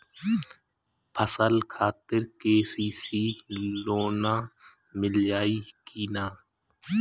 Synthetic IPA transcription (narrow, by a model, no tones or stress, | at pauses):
pʰəsəlkʰaːt̪ɪɾkeːsiːsiːloːnaː | mɪld͡ʒaːiːkiːnaː